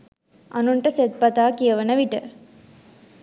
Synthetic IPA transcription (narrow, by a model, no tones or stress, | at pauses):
anuɳʈəset̪̚pat̪aːkijəʋənəʋiʈə